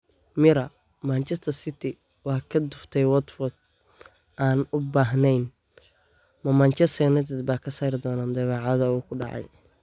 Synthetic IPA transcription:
mɪɾɐ | mant͡ʃɛst̪ʰɐrsɪt̪ʰɪ | wɑːkʰɐd̪ʊft̪ʰɛjwɐd̪fɔd̪̚ | ʔaːnʊbaːɦnɛjn | mɐmant͡ʃɛst̪ʰɐnɛt̪ʰɛd̪baːkʰɐsaːɾɪd̪ɔːnaːnd̪ɐβɑːʕɑðɐuːkʰʊɖɑ̰ʕɑ̰j

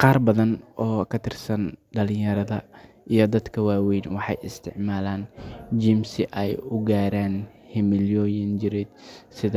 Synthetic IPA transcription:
qɑːrbɐðɐnʔɔːkʰɐt̪ʰɪrsɐnɖɐlɪ̃jɐɾɐðɐ | ʔijɞd̪ɐd̪kʰɐwaːwɛjnwɑħɑ̰jɪst̪ʰɪʕmaːlaːnd͡ʒimsɪʔɛjʊɡaːɾaːn | hɪmɪljɔːjɪnt͡ʃɪɾɛd̪̚sɪð

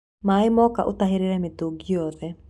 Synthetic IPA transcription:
maːɪmɔka̰ʔotaɦeɾeɾɛmetoɡiɔðɛ

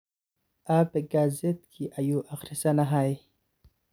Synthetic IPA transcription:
apeɡazet̪kʰiʔajuʔaxɾɪsanaɦaj

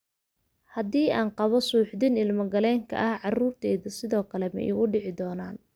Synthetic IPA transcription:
hɐd̪iːʔaːnqɑβɔsuːħd̪ɪnɪlmɐɡɐlɛːŋkʰɐ̰ʔɐhʕɑruːrt̪ʰɛːðɐsɪðɔːkʰɐlɛmɛ̰jʔɪɣʊɖɪʕɪd̪ɔːnaːn

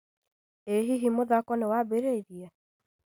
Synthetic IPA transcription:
eɦiɦimoðakɔnewabeɾeiɾiɛ

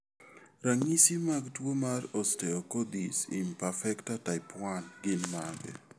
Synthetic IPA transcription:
ɾaŋisimaɡtwomarɔstɛokod̪isḭmpafɛktataɪpwanɡɪnmaɡɛ̰

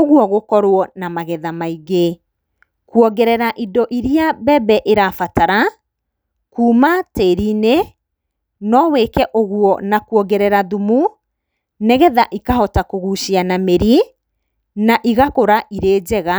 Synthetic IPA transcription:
oɣwɔɣokɔɾwɔnamaɣɛðamaiɣe | kwɔɡɛɾɛɾaʔidɔʔiɾiabɛbɛʔeɾafataɾa | kuːmateɾine | nɔweːkɛʔoɣwɔnakwɔɡɛɾɛɾaðumu | nɛɣɛðaʔikahɔtakoɣuːʃianameɾi | naʔiɣakoɾaʔiɾeːd͡ʑɛɣa

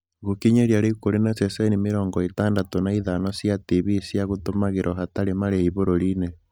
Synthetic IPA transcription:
ɣukiɲeɾjaɾekoɾenasesenimeɾɔːŋɡɔitaːndatonaiðanɔsjatiβisjaɣotomaɣeɾʔɔhataɾemaɾehiβoɾoɾine

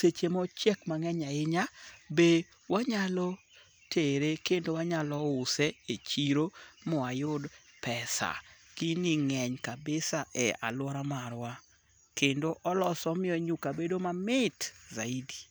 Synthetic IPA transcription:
set͡ʃemɔt͡ʃjɛkmaŋɛɲaɪɲabe | waɲalɔ | teɾekendowaɲalɔʊseet͡ʃiɾomɔajʊd | pɛsa̰kiniŋɛɲkabɪsaʔɛa̰lwɔɾamaɾwa | kendoʔɔlɔsɔmɪɔɲukabedomamɪtzaidi

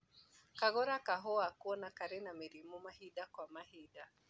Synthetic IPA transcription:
kaɣɔɾakaɦɔakuɔnakaɾɛnamiɾimumaɦiɗakwamahiɗa

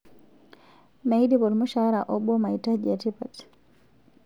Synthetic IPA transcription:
mejdibɔɾmuʃaɾaʔɔbɔmajtad͡ʒatipat

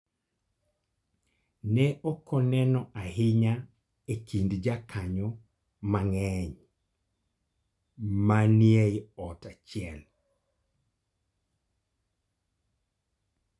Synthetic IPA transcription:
nɛʔɔkʰɔnɛnɔʔahɪɲa | ekindd͡ʒakʰaɲɔ | maŋɛɲ | manjejɔtat͡ʃɪɛl

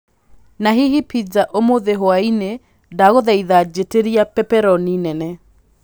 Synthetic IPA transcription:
naɦihipid͡ʒaʔomoðeɦoaine | daɣoðɛiðad͡ʒeteɾiapɛpɛɾɔninɛnɛ

